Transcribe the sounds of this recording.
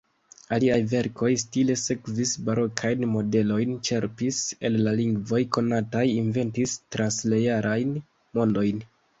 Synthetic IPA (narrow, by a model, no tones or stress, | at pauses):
aliajve̞ɾko̞jstile̞se̞kvisbaɾo̞kʰajnmo̞de̞lo̞jnt͡ʃe̞ɾpise̞̰lːaliŋɡvo̞jko̞natajinve̞ntistɾansle̞jaɾʔajn | mo̞ndo̞jn